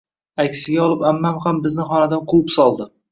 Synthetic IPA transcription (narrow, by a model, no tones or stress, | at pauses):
akʲsɪɡʲaɒlˠɪpamːamχambɪznɪχɒnad̪anqʰupsɒlˠd̪ɪ